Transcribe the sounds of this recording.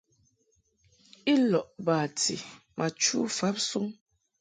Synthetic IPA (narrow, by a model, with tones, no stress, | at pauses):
i˦lɔ˨ʔba˨tʰḭ˨ | mʔa˨t͡ʃu˦fa˨˦p̚su˦ŋ